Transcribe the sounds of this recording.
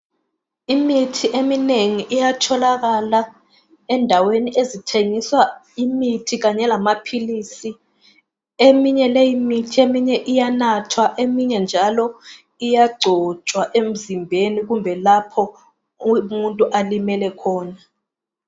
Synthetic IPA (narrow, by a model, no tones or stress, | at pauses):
imitʰiʔemineŋiʔːjatʰɔlak̬ala | ɛndʱaweniʔezitʰeŋiswa | imitʰik̬aɲɛlamapʰilisi | emiɲɛlejimitʰiemiɲɛʔijanatʰwaʔemiɲɛnd͡ʒʱalɔ | ijaɡ͡ǀʱɔt͡ʃʼwaʔem̩zimbʱenik̬umbʱɛlapʰɔ | muntʼuʔalimɛlɛkʰɔːna